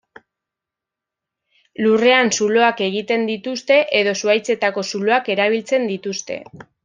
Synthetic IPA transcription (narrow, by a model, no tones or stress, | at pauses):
lure̞ansulo̞ake̞ɣ̞it̪e̞nd̪it̪ust̪e̞ʔe̞ð̞o̞suajt͡se̞t̪ako̞sulo̞ake̞ɾaβ̞ilt͡se̞nd̪it̪ust̪e̞̰